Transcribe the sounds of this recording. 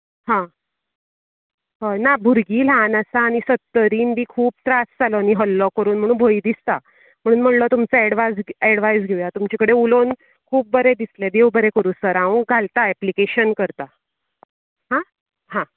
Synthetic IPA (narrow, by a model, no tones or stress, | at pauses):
ɦã | ɦənabʱuɾɡiːlanasaːñisət̪ːəɾiːnbʱiːkʰuːp̚t̪ɾasd͡zalɔːñiɦəlːɔkəɾuːnm̤əɽ̃uːnbʱoid̪ist̪a | m̤əɽ̃uːnm̤əɽlət̪umt͡səɛɽʋad͡zɛɽʋajsɡʱeʋjat̪umt͡ɕakəɽeulon | kʰuːp̚bəɾed̪isled̪ewbəɾekəɾuːsəɾãʋũɡʱalt̪aɛplikeɕənkəɾt̪a | ɦã | hã